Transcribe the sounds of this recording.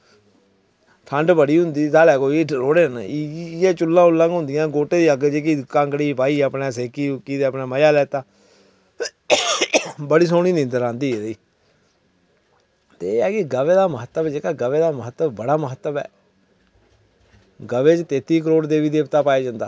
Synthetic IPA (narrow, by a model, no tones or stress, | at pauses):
pʰə̃ɳɖbəɽiːɦʊnd̪iːt̪aːlɛːkoːiɾoːɽeːneːt͡ʃʊlːãːʊlːãːɡɦʊ̃nd̪ɪjãːɡoːʈeːd̪iːəɡd͡ʒeːk̬iːkaŋkɽiːpaːiːəpneːs̬eːkiːkiːd̪eːəpneːməjaːlɛːt̪aː | bəɽiːs̬oːɽiːnɪ̃nd̪əɾãːnd̪iːeːd̪iː | t̪eːkeɡəʋeːd̪aːməɦət̪ːəbɛd͡ʒeːkaːɡəʋeːd̪aːməɦət̪ːəbbəɽaːməɦət̪ːəbɛ̰ː | ɡəʋeːt͡ʃt̪eːt̪iːk̬əɾoːɽd̪eːʋiːd̪eːpt̪aːpaːeːd͡ʒãːnd̪a̰ː